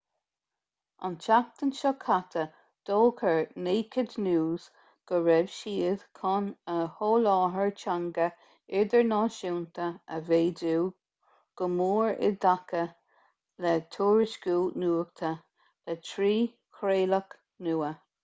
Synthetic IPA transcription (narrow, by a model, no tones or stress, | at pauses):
a̰nt͡ʃak̚t̪ənʃɔkʰat̪ʰə | d̪̥oːkʰəɹneːkʰəd̪nuːz̥ | ɡ̥əɹɛvʃiːð̥kʰɔnəhoːlɑːɦəɹt͡ʃaŋɡə | ɪɹd̪əɹnɑːʃuːnt̪əəveːduː | ɡ̥əmuːɹɪ̰d̪akə | lɛt̪ʰuːɹɪʃɡ̥uːnuːək̚t̪ʰə | lɛtʰɾiː | kʰɾeːlək | nuːə